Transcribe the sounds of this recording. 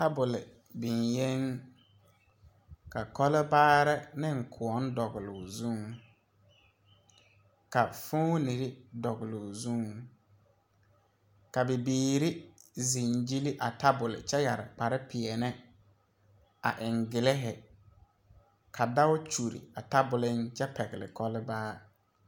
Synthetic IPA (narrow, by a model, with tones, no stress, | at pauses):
ta˦bʊ˨lɪ˨ | bɪ˨nje˦ŋ | ka˨kɔ˦lɪ˦baː˦ɾɛ˦nɪ˦ŋ̩˨kʰʊ˨ɔ˨˦n˦dɔ˨ɣʊ˨lʊ̰˨ʊ˨zu˦˨ŋ | ka˨fʊ˦ni˨ɾɪ˦dɔ˨ɣɪ˨lʊ˨zu˦˨ŋ | ka˨bɪ˨biː˨ɾɪ˦zi˨nd͡ʒi˦li˦ʔa˨ta˦bʊ˨lɪ̰˨t͡ʃɛ˦ja˨ɾɪ˨k͡pa˨ɾɪ˦pʰɪ˨ɛ˨nɛ˦ | a̰˨ʔɪ˨ŋɡɪ˨lɪ˦ɦɪ˨ | kʰa˨da˦wʊ˦t͡ʃu˨ɾḭ˨a˨ta˦bʊ˨lɪ˦nt͡ʃɛ˦pɛ˨ɣɪ˨lɪ̰˨kɔ˦lɪ˦baː˦